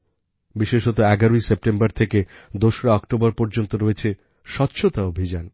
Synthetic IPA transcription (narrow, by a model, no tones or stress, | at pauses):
biʃeʃɦɔt̪̬oɛɡaɾoisep̚ʈembaɾt̪ʰeked̪oʃɾaɔkʈobaɾpɔɾd͡ʑont̪oɾoet͡ɕʰe | ʃɔtːɕʰot̪aobʱid͡ʑan